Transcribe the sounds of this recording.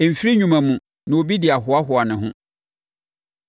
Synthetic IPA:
m̩˨fi˦ɾi˦ɲᶣũ˨mã˨mũ˨ | nã˨o˨bi˦dɪ˨a˨ɦʊ˨a˦ɦʊ˨a˨nɪ̃˨ɦʊ̃˦

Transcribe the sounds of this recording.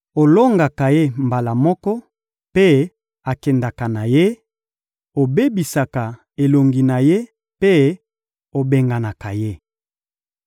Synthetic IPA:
o˨lo˦ŋɡa˨ka˨je˦mba˨la˨mɔ˦kɔ˦ | pe˦ | a˨kɛ˨nda˨ka˨na˨je˦ | o˨be˦bi˨sa˨ka˨ | e˨lo˨ŋɡi˨na˨je˦ | pe˦ | o˨be˨ŋɡa˨na˨ka˨je˦

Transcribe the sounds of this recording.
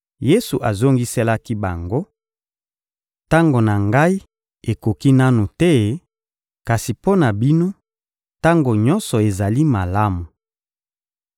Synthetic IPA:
je˦su˨ʔa˨zo˦ŋɡi˦sɛ˦la˦ki˦ba˨ŋɡo˦ | ta˦ŋɡo˨na˨ŋɡa˦i˦ | e˨ko˨ki˦na˦nu˨tɛ˦ | ka˨si˨po˦na˨bi˦no˦ | ta˦ŋɡo˨ɲɔ˦nsɔ˨e˨za˨li˦ma˨la˦mu˨

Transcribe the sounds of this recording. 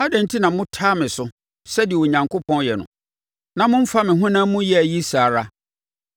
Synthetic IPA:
a˦dɛ̃˨n̩˦tʰi˦nã˨mʊ̃˦tʰaː˦mɪ̃˨sʊ˦ | sɛ˦dɪ˨ɛ˨wo˨ɲã˨ŋkʰo˦pʰɔ̃˦njɛ˨nʊ̰̃˨ | nã˨mʊ̃˦m̩˦fa˦mɪ̃˨ɦʊ̃˦nã˦mʊ̃˦jɛ˦æ˨ji˦sa˨ɾa˦

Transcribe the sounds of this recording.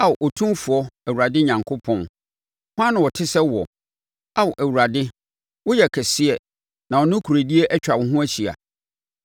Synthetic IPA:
a˦˨ʔɔ˨tʰũ˦fʊ˨ɔ˦æ˨wu˨ɾa˨dɪ˦ɲã˨ŋkʰʊ˦pʰɔ̃˦n | hʊ˦ã˦nʊ̃˨wɔ˨tʰɪ˦sɛ˦wɔ˨ | a˦wʊ˨ʔæ˨wu˨ɾa˨dɪ˦ | wʊ˦jɛ˨kʰɛ˨sɪ˦ɛ˨ | nã˨ɔ˨nʊ̃˦kʰu˨ɾe˨di˦e˦ʔɛ˦t͡ɕᶣa˨wɔ̃˨ɦʊ̃˦æ˦ɕʰi˨a̰˨

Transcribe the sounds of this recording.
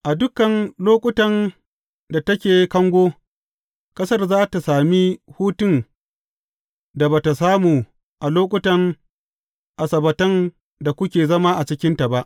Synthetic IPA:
ʔa˨dʊ˦kɐ˨nloː˦kʷʼʊ˦tɐ˦˨n | da˨tɐ˦kʲeː˨kɐ˦ŋɡʷoː˦ | kʼɐ˦sɐ˦˨rzaː˦ta˨saː˨mi˦huː˦tʊ˦n | da˨baː˨ta˨saː˦muː˨ | ʔa˨loː˦kʷʼʊ˦tɐ˨ŋ | ʔa˨sɐ˨bɐ˨tɐ˦n | da˨kʷʊ˦kʲeː˨zɐ˦ma˦ʔa˨t͡ʃɪ˦kʲɪ˦nta˨ba˦ʔ

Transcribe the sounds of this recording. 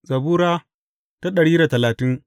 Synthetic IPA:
zɐ˨buː˦ɾaː˦ | ta˦ɗɐ˨ɽiː˦da˨tɐ˨laː˨tɪ˦ŋ

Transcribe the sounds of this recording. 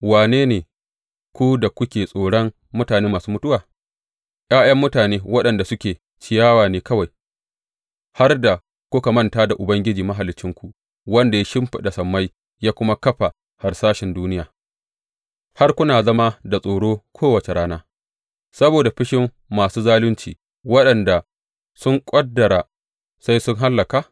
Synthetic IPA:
waː˨neː˦neː˨ | kʷu˦da˨kʷʊ˦kʲeː˨sʼoː˨ɽɔ˦ŋ | mʊ˦taː˨neː˦maː˨suː˦mʊ˦tʊ˦waː˨ | ʔaː˦j̰ɐ˦mːʊ˦taː˨neː˦wɐ˦ɗɐ˨nda˨sʊ˦kʲeː˨ | t͡ʃɪ˨jaː˦waː˨neː˨kɐ˦wa˨j | ha˦rda˨ | kʷʊ˦ka˨mɐ˦ntaː˦da˨ʔʊ˨bɐ˦ŋɡʲɪ˦d͡ʒiː˨mɐ˦ɦa˨lɪ˦t͡ʃːɪ˦ŋkʷu˨ | wɐ˦nda˨ja˦ʃɪ˦mɸɪ˨da˨sɐ˨mːa˦j | jaː˦kʷʊ˦ma˦kɐ˦ɸa˨ | ha˨rsaː˦ʃɪ˨nduː˦nɪ˦jaː˨ | ha˦rkʷʊ˦naː˨zɐ˦ma˦da˨sʼoː˨ɽoː˦kʷʰoː˦wɐ˨t͡ʃe˨ɽaː˦naː˦ | sɐ˦boː˨da˨ɸɪ˦ʃɪ˦mː | aː˨suː˦zaː˦lʊ˦nt͡ʃiː˨ | wɐ˦ɗɐ˨nda˨ | sʊ˦ŋkʷʼɐ˦dːɐ˨ɾa˨ | sa˦jsʊ˦ŋɦa˦lːɐ˨kaː˨

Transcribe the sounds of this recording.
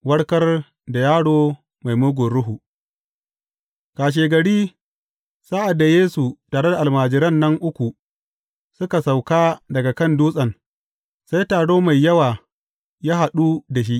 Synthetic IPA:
wɐ˦ɽkɐ˦r | da˨jaː˦ɽoː˦ | ma˨jmʊ˦ɡʷʊ˨ɽʊ˦ɦu˨ʔ | kaː˨ʃ̬eː˨ɡɐ˨ɽiː˦ | saː˦ʔa˨dːa˨jeː˦su˨taː˨ɽe˦da˨ʔa˨maː˨d͡ʒɪ˦ɾɐ˦˨nːɐ˦ŋʔʊ˦kʷu˨ | sʊ˦ka˨sa˨wkaː˦dɐ˨ɡa˨kɐ˦˨nduː˦sʼɐ˨ŋ | sa˦jtaː˨ɽoː˦ma˨jːɐ˦waː˨ | jaː˦ɦa˨ɗu˦da˨ʃ̬i˦ʔ

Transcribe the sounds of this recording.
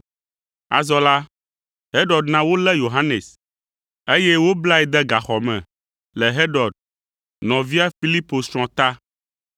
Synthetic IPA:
a̰˨zɔ˦la˦ | ɦe˦ɖɔ˨d̪nã˦wo˦lɛ˦jo˨ɦa˦ne˨s | e˦jɛ˦wo˦bla˦ɛ˨d̪ɛ˦ɡa˨xɔ˨mɛ̰̃˨ | lɛ˨ɦe˦ɖɔ˨d̚ | nɔ̃˨vi˦a˦fi˦li˦po˨sɾ̃ɔ̃˨t̪a˦

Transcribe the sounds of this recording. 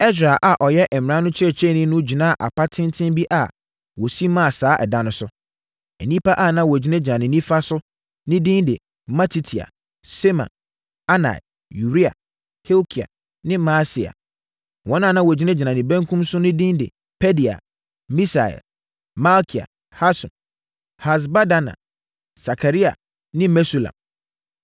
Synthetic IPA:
ɛ˦s̬ɾa˨ʔa˨ʔɔ˨jɛ˦ʔɛ˨m˨ɪ̃˨ã˦nʊ̃˦t͡ɕʰɾɛ˨t͡ɕʰɛ˦˨nɪ̃˦nʊ̃˦d͡ʑi˨nã˦˨ʔa̰˨pʰa˦tʰɪ̃˦ntʰɪ̃˦mbi˦ʔa˨ | wɔ˨si˦mã˦a˨saː˦ʔɛ̰˨dã˦nʊ̃˦sʊ˦ | ɛ˨nĩ˦pʰa˦ʔa˦˨nã˦wɔ˨d͡ʑi˦nɛ̃˦d͡ʑi˨nã˨nɪ̃˨nĩ˦fa˦sʊ˦ | nɪ̃˦dĩ˦ndɪ˨ | mã˦tʰi˦tʰi˨a̰˨ | sɛ˦mã̰˨ | a˦na̰˨ɛ̰˨ | ju˨ɾi˦a̰˨ | he˦o˦kʰi˨a̰˨ | nɪ̃˦ma˦si˨a̰˨ | wɔ̃˨˦nã˦˨nã˦˨wɔ˨d͡ʑᶣi˦nɛ̃˦d͡ʑɪ˨nã˨nɪ̃˨bɛ̃˦ŋkʰũ˦msʊ˦nɪ̃˦dĩ˦ndɪ̰˨ | pʰɛ˦di˨a̰˨ | mĩ˦sa˨ɛ̰˨ | ma˦lkʰi˨a̰˨ | ha˦sʊ̰̃˨n | ha˨s̬ba˦da˦nã̰˨ | sa˨kʰa˨ɾi˦a̰˨ | nɪ̃˦mɛ˦su˦lã̰˨m

